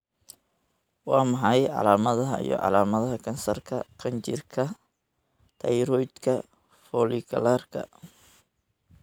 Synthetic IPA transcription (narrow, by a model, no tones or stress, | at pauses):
wɑːmɑħɑjʕɑ̰laːmɐðɐɦɐḭjɔ̰ʕɑ̰laːmɐðɐɦɐkʰɐnsɐrkʰɐqʰɐnt͡ʃɪrkʰɐ | t̪ʰɐjɾɔjd̪kʰɐ | fɔlikʰɐ̰larkʰɐ̰